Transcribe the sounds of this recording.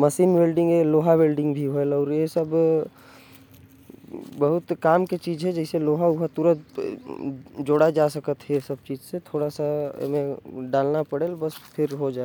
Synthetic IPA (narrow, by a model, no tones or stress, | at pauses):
məsiːnbeːlɖɪ̃ŋɡeloːɦabelɖɪ̃ŋɡbʱiɦoelɔːɾjesɐb | bɐɦʊt̪kaːmket͡ʃiːzɦɛd͡ʒɛɪseloːɦaʊɦət̪uɾət̪ | d͡ʒoːɽad͡ʒaːsɐkət̪ɦɛsɐb̚t͡ʃiːd͡ʒset̪ʰoːɽasa̰mẽɖaːlnapəɽeːlbəspʰɪɾɦod͡ʒaː